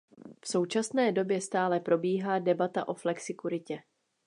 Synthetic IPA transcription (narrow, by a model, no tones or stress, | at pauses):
fso̞wt͡ʃasnɛːdo̞bjɛst̪aːlɛpɾo̞biːɦaːdɛbat̪aʔo̞flɛksɪkuɾɪcɛ